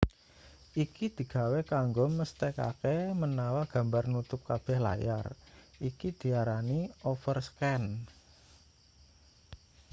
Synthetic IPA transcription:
ʔikid̪̥i̤ɡ̥a̤wekaŋɡɔməst̪eka̰kemənawaɡ̥a̤mbarnut̪ʊp̚kab̥ɛ̤hla̰ja̰rikid̪̥i̤aɾaniɔfərskɛn

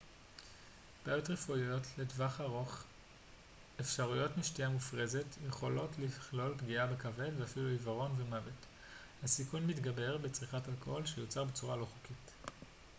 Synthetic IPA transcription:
b̥ajotʁefujo̞tʰledvaχaʁo̞χ | efʃaʁujo̞tmiʃtiamufʁe̞ze̞tjeχo̞lo̞tliχlo̞lpɡiabekave̞dveafiluivaʁo̞nvemavet | hasikunmitɡabe̞ʁbet͡sʁiχathalkooolʃejot͡saʁbet͡suʁalo̞χokit

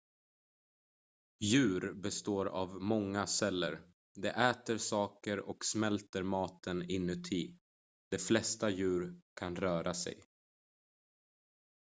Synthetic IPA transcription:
jʉ̟ːɾbɛst̪oːɾa̰vmɔŋːasɛlːə̰ɾ | d̪ɛʔɛːt̪əɾsɑːkəɾɔksmɛlt̪əɾmɑːt̪ʰənɪnːɵt̪ʰːiː | d̪ɛflɛst̪ajʉ̟ːɾkʰanɾœːɾasɛ̰j

